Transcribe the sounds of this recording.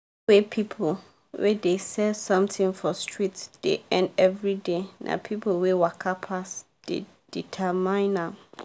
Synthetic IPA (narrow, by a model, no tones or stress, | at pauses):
wepʰipʰol | wɛdesɛsɔ̃mtʰɪ̃ŋfɔstʰɹitd̥ḛɛ̃ndɛvɹidenʔã̰pʰipʰwewakʰapʰas | d̥ḛ | d̥itʰɛmãɪ̃nãm